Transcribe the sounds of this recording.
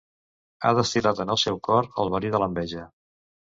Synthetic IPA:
a̰ðəst̪ilat̪ənəlˠsɛwkɔɾə̰lˠβəɾiðələmbɛʒə

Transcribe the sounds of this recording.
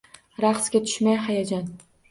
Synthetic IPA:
ɾaqsɡʲat̪ʰʊ̥ʃmajɦajad͡ʒan

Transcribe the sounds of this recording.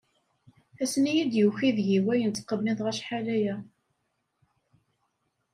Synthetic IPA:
æsnijid̪juçiðʝiwæjənt͡s̪qːəbniðʁæʃħalæjæ

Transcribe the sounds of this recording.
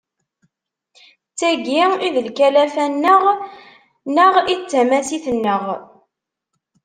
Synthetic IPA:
t͡sːæɡiiðəlkælæfænːəʁ | nəʁit͡sːæmæsiθənːəʁ

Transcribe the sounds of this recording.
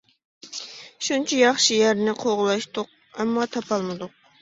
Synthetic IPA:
ʃunt͡ʃʰijɑχʃijæɾnɪqʰoʁlˠɑʃt̪ʊq̚ | ɛmːɑt̪ʰɑpɑlˠmɨd̪ʊq̚

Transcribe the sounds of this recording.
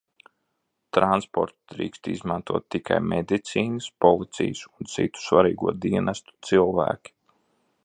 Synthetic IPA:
t̪ɾanspɔ̰ɾt̪d̪ɾḭːkst̪izmɑnt̪uɔt̪ːikʰa̰jmɛd̪it̪siːnɨspɔlˠit̪sḭjsunt̪sḭt̪u̥svaɾiːɡuɔd̪iɛnɛst̪u̥t̪silˠvæ̰ːkʲi̥

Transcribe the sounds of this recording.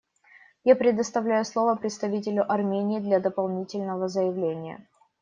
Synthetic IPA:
japɾʲɪd̪əst̪ɐvlʲæjʊslˠo̞vəpɾʲɪt̪st̪ɐvʲit̬ʲɪlʲʊʔɐrmʲenʲɪːd̪lʲɐd̪əpɐlˠnʲitʲɪlʲnəvəzəjɪvlʲenʲɪjə̰

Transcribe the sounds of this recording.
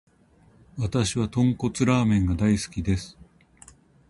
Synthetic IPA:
βat̪aɕiβat̪õ̞ŋko̞t͡sɨɾaːmẽ̞ŋɡad̪aisɨ̥kʲid̪e̞sɨ̥

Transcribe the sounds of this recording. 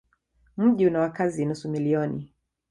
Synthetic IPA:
m̩ʄiunawakazinusumiliɔnḭ

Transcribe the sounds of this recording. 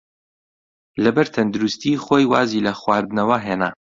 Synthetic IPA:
lɐbɐɾt̪ʰɐnd̪uɾust̪iχoːjwaːzilɐxwaːɾd̪ɨnɐwɐɦeːna̰ː

